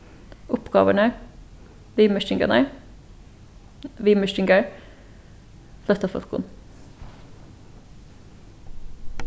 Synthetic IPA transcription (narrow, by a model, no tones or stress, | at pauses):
ʊpɡ̥ɑ̰ːʋəɳə | ʋiːməʃɪŋɡə̰nəɹ | ʋiməʃɪŋɡəɹ | flœt̪ɑfɔ̰lkʊ̰n